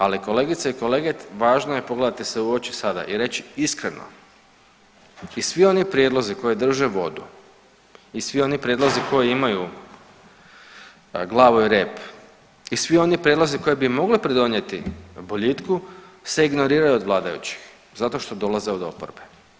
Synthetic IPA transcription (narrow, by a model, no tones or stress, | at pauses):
aliko̞le̞ɡit̪saiko̞leɡeʋaːʒnoje̞po̞ɡle̞d̪at̪iseuot͡ɕi̥sad̪a̰ʔiɾe̞t͡ɕiiskɾeno̰ | isʋio̞nipɾʲjed̪lˠo̞ziko̞jed̪r̩ʒeʋo̞d̪u | isʋio̞nipɾʲje̞d̪loziko̞jiimaju | ɡlˠaːʋuiɾe̞ːp | isʋio̞nipɾjed̪loziko̞jebimo̞ɡlipɾid̪o̞nje̞t̪iboʎit̪kuse̞iɡno̞ɾiːɾajuod̪ʋlˠaːd̪ajṵt͡ɕi̥x | zat̪o̞ʃt̪o̞d̪o̞lˠazeod̪o̞̰po̰ɾbe